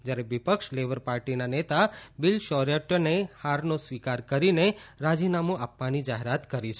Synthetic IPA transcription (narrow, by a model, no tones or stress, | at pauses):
d͡ʒjaɾeʋipəkʃleʋəɾpaɾʈinanet̪abɪlʃɔɾjeʈənehaɾnosʋikaɾkəɾineɾad͡ʒinamũapʋanid͡ʒaɦeɾat̪kəɾit͡ʃʰe